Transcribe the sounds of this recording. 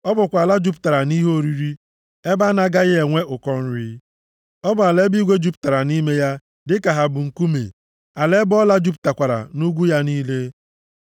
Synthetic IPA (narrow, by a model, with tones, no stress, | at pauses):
ɔ˦bʊ˨kʷa˨la˦d͡ʒu˦p̬ta˨ɾa˨ni˦ɦo˦ɾi˦ɾi˦ | e˦ba˦na˦ɡa˦ɣɪ˦e˨ŋʷe˦ʔʊ˨kɔ˦n̩˦ɾi˦ | ɔ˦bʊ˨a˨le˦bi˦ɡʷe˦d͡ʒu˦pta˨ɾa˨ni˦me˦ja˦ | dɪ˦ka˨ɦa˨bʊ˨ŋ̩˨ku˦mḛ˨ | a˨le˦bɔ˦la˦d͡ʒu˦p̬̚ta˨kʷa˨ɾa̰˨nu˦ɡʷu˦ja˦ni˦le˦